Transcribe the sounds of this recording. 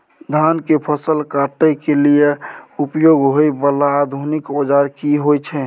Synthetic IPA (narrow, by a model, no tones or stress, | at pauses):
d̪ʱankepʰəsəlkaʈəkelijeupjoɡɦoibəlaːd̪ʱunikbod͡ʒaɾkiɦojt͡ʃʰɛ